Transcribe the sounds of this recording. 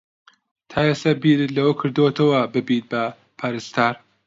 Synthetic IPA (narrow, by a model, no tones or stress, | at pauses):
t̪ʰaːjest̪ɐbiːɾɨt̪lɐwɐkʰɨɾd̪ot̪ʰɐwɐbɨbit̪̚bɐ | pʰaːɾɨst̪aːɾ